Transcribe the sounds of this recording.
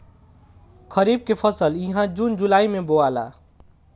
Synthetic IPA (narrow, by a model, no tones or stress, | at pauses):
kʰəɾib̚kepʰəsəljiɦãd͡ʒund͡ʒulaimeboala̰